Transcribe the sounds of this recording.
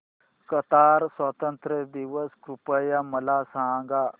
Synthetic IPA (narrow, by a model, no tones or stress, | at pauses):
kət̪aɾsʋət̪ənt̪ɾəd̪iʋəskɾupəjaməlasãŋɡa